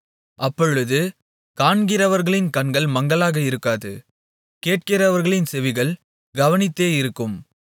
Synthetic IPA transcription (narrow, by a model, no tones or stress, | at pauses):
ʔɐpːɔɻɯðɯ | kaːɳɡɪrɐʋɐɾɣɐɭɪnkɐɳɡɐɭmɐŋɡɐɭaːɣɐɪɾɯkːaːðɯ̰ | keːʈ̚kɪrɐʋɐɾɣɐɭɪnsɛʋɪɣɐɭ | ɡɐʋɐnɪt̪ːeːɪɾɯkːɯm